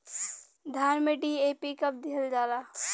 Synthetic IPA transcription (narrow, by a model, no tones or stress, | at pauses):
d̪ʱaːɾmẽɖieːpikɐp̚d̪ɪɦəld͡ʒaːlaː